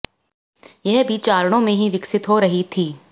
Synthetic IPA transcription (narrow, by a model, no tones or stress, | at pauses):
jɐɦbʱiːt͡ʃaːɾɽ̃õmẽɦiʋɪksɪt̪ɦoɾɐɦit̪ʰiː